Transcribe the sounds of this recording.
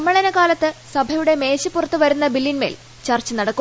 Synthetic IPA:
ɐmːɐɭɐnɐkaːlɐt̪ːɨsɐbʱɐjuɽe̞me̞ːɕɨpurɐt̪ːɨʋɐɾunːɐbilːinme̞̰ːl | t͡ɕɐrt͡ɕːɨnɐɽɐkːu

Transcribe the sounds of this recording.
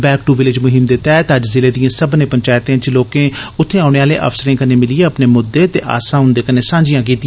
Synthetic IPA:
bɛːkʈuʋɪlɪd͡ʒmʊɦɪmd̪eːt̪ɛːt̪əd͡ʒzɪleːd̪ijãːsəbnẽːpəɲt͡ʃaːɪt̪ẽːt͡ʃloːkẽːʊt̪ʰːẽːaːʊɽ̃eːaːlḛːʔə̰fsəɾẽːkəneːmɪlɪeːəpneːmʊd̪ːeːt̪eːʔa̰ːsãːɦʊ̃nd̪eːkəneːsãːɲd͡ʒɪjãːk̬iːt̪ɪ̃jãː

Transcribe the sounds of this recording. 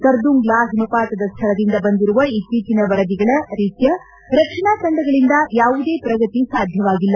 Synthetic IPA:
kɐɾd̪uŋɡlaːɦɐmupaːt̪ɐd̪ɐst̪ʰɐɭɐd̪ind̪ɐbɐnd̪iɾuʋɐitːiːt͡ʃinɐʋɐɾɐd̪iɡɐɭɐɾiːt̪jɐ | ɾɐkʂɐɳaːt͡ʃɐɳɖɐɡɐɭind̪ɐjaːʋud̪e̞ːpɾɐɡɐt̪isaːd̪ʱjɐʋaːɡilːɐ

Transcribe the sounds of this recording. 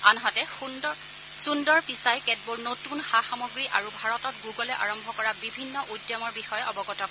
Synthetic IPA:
anɦɔtɛn | sundɔɹpisajkɛt̚boɹnotunxaxɔmoɡɹiʔaɹubʱaɹɔtɔt̚ɡuɡɔlɛʔaɹɔmbʱɔkɔɹabibʱinːɔʔudjɔmɔɹbixɔjɔʔɔbɔɡɔtɔ

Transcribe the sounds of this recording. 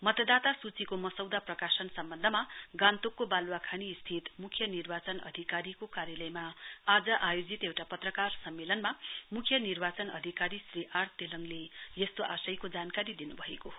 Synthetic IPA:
mʌt̪ʌd̪at̪asut͡sikomʌsʌwd̪aprʌkasʌnsʌmbʌnd̪ʱʌmaɡãnt̪okːobalwakʰanist̪ʰit̪mukʰjʌnirbat͡sʌnʌ̰d̪ʱikaɾikokaɾjʌlʌjmaːd͡zʌʔajod͡zit̪ewʈapʌt̪rʌkarsʌmːelʌnmamukʰjʌnirbat͡sʌnʌd̪ʱikaɾisriʔart̪elʌŋlejest̪oʔasʌjkod͡zankaɾid̪inubʱʌekoɦ

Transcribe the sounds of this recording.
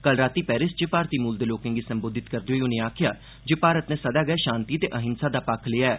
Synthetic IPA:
kəlɾaːt̪iːpɛːɾɪsd͡ʒepaːɾt̪iːmuːld̪eːloːkɪ̃ŋɡiːsəmboːd̪ʱɪt̪kəɾd̪eːɦoiːʊnẽːaːkʰja̰ː | d͡ʒeːpaːɾət̪neːsəd̪aːɡəeːʃãːnt̪iːt̪eːʔəɦɪnsaːd̪aːpakʰlɪːaɛː

